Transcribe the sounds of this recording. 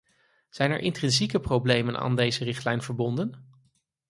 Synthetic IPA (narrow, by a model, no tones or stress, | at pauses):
z̥ɛjnɛ̰ɹʔɪntrɛnzikəprowblejmənʔa̰ːndejzərɪχtlɛjnvəɹbɔndən